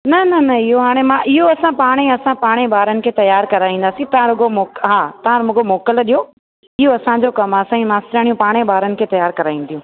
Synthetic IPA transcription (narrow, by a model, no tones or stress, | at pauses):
nɐnɐnɐɪɦoɦaːɽ̃emãʔɪɦoɐsãpaːɽ̃eɐsãpaːɽ̃ebaːɾənɪ̆kʰeːt̪ɐjaːɾkɐɾaːĩnd̪aːsĩt̪ɐãɾʊɡomoːkɦaːt̪ɐɦãɾmʊɡomɔːkəlɗijo | ɪɦoɐsãd͡ʑokɐmɐsãmãːst̪ɾaːɽ̃ijũpaːɽ̃eɓaːɾənɪ̆kʰeːt̪ɐjaːɾkɐɾaːĩːn̆d̪ʰijũː